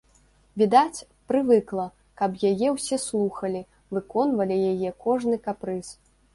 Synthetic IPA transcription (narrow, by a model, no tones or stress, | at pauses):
vʲid̪at͡sʲ | pɾɨvɨklˠɐ | kɐpjajɛwsʲɛslˠuxɐlʲi | vɨkɔnvɐlʲijajɛkɔʐnɨkapɾɨs